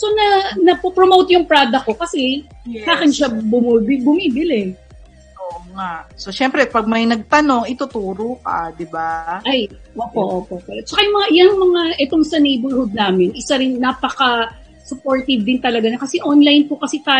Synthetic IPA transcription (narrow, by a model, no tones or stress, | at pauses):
sonɐnɐpopɾomowt̪jʊŋpɹaːd̪ɐko̞kɐsɛ | saːkɪnʃabʊmbɪbʊmiːbɪlɛ | ʔoːʔoŋaʔsoʃɛmpɾɛpɐɡ̚mɐjnɐɡ̚t̪ɐno̞ŋɪt̪ʊt̪uːɾokad̪ɪbaʔajʔoːpoʔoːpoʔkɐt͡ʃɐkɐjʊŋmɐŋaʔjɐnɐŋmɐŋaʔɛt̪oŋsɐnejbolhod̪̚naːmɪnʔɪsaɾɪnːaːpɐkɐ | sʊpoɹt̪ɪvd̪ɪnt̪ɐlɐɡanɐkɐsɛʔonlajnpʊkɐsit̪aː